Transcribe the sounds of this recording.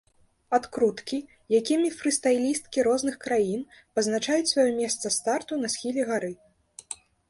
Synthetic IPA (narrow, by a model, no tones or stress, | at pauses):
at̪kɾut̪kʲi | jakʲimʲifɾɨst̪ajlʲist̪kʲiɾɔznɨxkɾajin | pɐznat͡ʂajut͡sʲsʲvajɔmʲɛst̪sɐst̪art̪unɐsʲxʲilʲɛɣaɾɨ